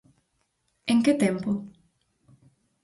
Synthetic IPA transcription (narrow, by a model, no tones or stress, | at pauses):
ẽŋket̪empo